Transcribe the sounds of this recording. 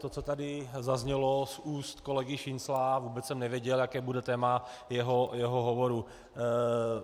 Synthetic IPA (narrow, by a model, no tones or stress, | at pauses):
t̪ot͡sot̪adɪzazɲɛlosuːst̪kolɛɡɪʃɪnslavuːbɛt͡ssɛmnɛvjɛɟɛljakɛːbudɛt̪ɛːma | jɛɦojɛɦoɦovo̞ɾu